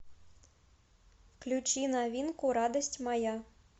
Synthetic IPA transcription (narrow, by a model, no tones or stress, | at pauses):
klʲut͡ɕinavʲinkuɾad̪əsʲtʲmaja